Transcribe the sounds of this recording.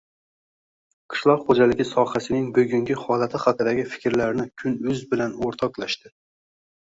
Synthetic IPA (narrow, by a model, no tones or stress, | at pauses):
qʰɨ̥ʃlˠɒqχod͡ʒalɪɡʲɪsɒhasɪnɪŋbɵɡʲʊŋɡʲɪhɒlˠat̪ʰɪhɑqɨd̪aɡʲɪfɪ̥kʲɾlaɾnɪkʲʰʊnʊzbɪlanoɾt̪ʰɒqlˠaʃt̪ɪ